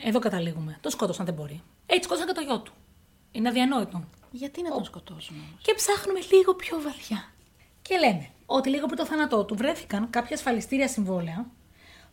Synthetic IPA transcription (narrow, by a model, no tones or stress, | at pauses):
e̞ðo̞kɐt̪ɐliɣume̞t̪oskot̪osɐnðe̞bo̞ɾi | eçiskot̪osɐcet̪oʝo̞t̪u̥ | inenɐðiɐno̞it̪o | ʝɐt̪ineskot̪ozcepsɐxnume̞liɣo̞pço̞vɐθçɐ | ce̞le̞ne̞ | o̞t̪iliɣoep̬ɾit̪oθɐnɐt̪o̞t̪uvɾe̞fi̥kɐŋkɐpçɐesfɐlist̪iɾiɐsiɱvo̞leɐ